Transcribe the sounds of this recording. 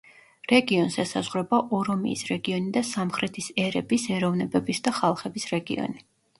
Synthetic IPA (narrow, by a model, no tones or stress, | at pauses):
ɾɛɡiɔnsɛsazʁɾɛbaʔɔɾɔmḭːsɾɛɡiɔnid̪asamχɾɛt̪ʰisɛɾɛbisɛɾɔvnɛbɛbisd̪aχalˠχɛbisɾɛɡḭɔ̰ni